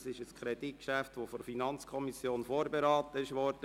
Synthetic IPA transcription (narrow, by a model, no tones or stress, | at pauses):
sɪʃəskʰɾɛd̥it̚kʃæftʋofɔɾfinɑnt͡skʰɔmisjoːnfoːɾbeɾɑːt̪əɪʃʋɔːɾd̥ə